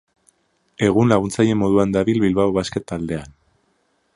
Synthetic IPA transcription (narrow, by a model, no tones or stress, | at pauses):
e̞ɣ̞unlaɣunt͡saje̞mo̞ðuand̪aβilβilβawβaske̞t̪ald̪e̞an